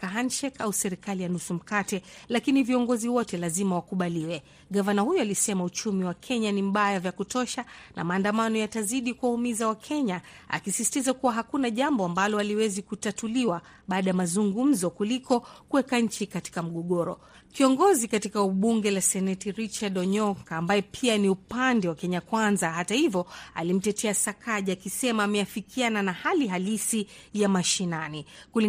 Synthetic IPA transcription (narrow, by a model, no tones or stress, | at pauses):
kaanʃɛkausɛɾikalijanusum̩katɛlakiniviɔŋɡɔziwɔtɛlazimawakuɓaliwɛ | ɠavanahujɔalisɛmaut͡ʃumiwakʰɛɲanim̩ɓajavjakutɔʃanʔa̰maːndamanɔjataziɗikuwahumizawakʰɛɲaa̰kisisi̥tizakuwaɦakunaʄambɔambalɔaliwɛzikutatuliwa | ɓaːɗajamazuŋɡum̩zɔkulikɔkuwɛkaɲ̩t͡ʃikati̥kam̩ɠɔɠɔɾɔ | kiɔŋɡɔzikatikauɓuŋɡɛlasɛnɛtiɾit͡ʃaɗɔɲɔkaːmbajɛpʰianiupandɛwakɛɲakwanzaɦatahivjɔa̰lim̩tɛtʰɛasakʰaʄaakisɛmaːmɛafikiananahaliɦalisi | jamaʃinanikuli